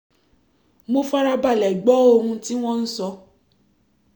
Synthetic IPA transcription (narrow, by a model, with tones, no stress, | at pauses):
mo˧fa˦ɾa˧ba˦˨lɛ˨ɡ͡bɔ˨˦o˧ɾũ˧ti˦w̃ɔ̃˦n̩˦sɔ˧